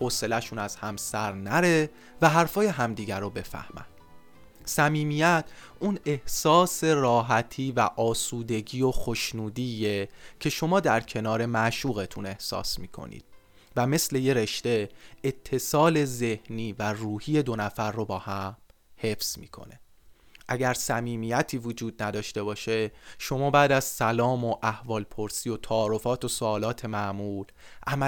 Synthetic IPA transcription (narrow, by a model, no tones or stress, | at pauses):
hose̞læʃuːnæz̥hæmsæɾnæɾe̞ | væɦæɾfɒːje̞ɦæmd̪iːɟæɾobe̞fæ̰hmæ̰nd̪̥ | sæmiːmijæt̪ʰʔuːne̞hsɒːse̞ɾɒːɦæt̪ʰiːvæʔɒːsuːd̪e̞ɟiːjoxoʃnuːd̪iːjecʰe̞ʃo̞mɒːd̪æɾcʰe̞nɒːɾe̞mæʃuːɣe̞t̪ʰune̞hsɒ̰ːsmiːkʰo̰nḭːd̪̥̚ | væme̞sle̞je̞ɾe̞ʃt̪e̞et̪ʰːe̞sɒːle̞ze̞hniːværuːhiːje̞d̪o̞næfæɾːobɒːhæmhe̞fz̥mḭːkʰo̰ne̞ | ʔæɟæɾsæmiːmijæt̪ʰiːvod͡ʒuːd̪̚næd̪ɒːʃt̪e̞bɒːʃeʃo̞mɒːbæːd̪æz̥sælɒːmo̞ʔæhvɒːlpʰo̞ɾsio̞t̪ʰɒːɾofɒːt̪ʰo̞soɒːlɒːt̪ʰe̞mæʔmuːl | ʔæmæ